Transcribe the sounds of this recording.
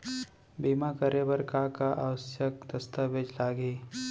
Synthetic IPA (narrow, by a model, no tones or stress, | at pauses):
biːmakəɾebəɾkakaʔaːʋəsjəkd̪əst̪abed͡ʒlaːɡeː